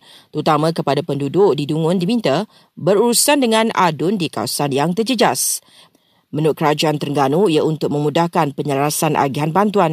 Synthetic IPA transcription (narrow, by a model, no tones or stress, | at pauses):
t̪əɾut̪amãkəpadapəndudʊʔdiduŋʊ̃ndimĩnt̪a | bəɾuɾusandəŋãna̰dʊndika̰wsanjaŋt̪ərd͡ʒəd͡ʒas | mə̃nʊʔkəɾad͡ʒuant̪ərŋɡanuijaunt̪ʊk̚mə̃mudahkanpəɲəlɾasanʔa̰ɡiɦanbant̪uan